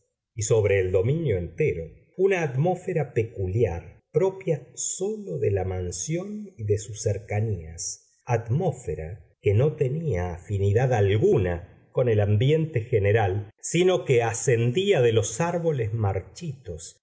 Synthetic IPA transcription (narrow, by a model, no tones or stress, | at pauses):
iso̞βɾe̞ːld̪o̞minjo̞ent̪eɾo | unaːt̪mo̞feɾapekuljaɾpɾo̞pjasolo̞ðelamansjo̞niðesuseɾkanias | at̪mo̞feɾa̰keno̞t̪e̞niaːfiniðaðalɣuna | ko̞nelambje̞nt̪exeneɾalsino̞keasend̪iaðelo̞saɾβo̞lezmaɾt͡ʃit̪os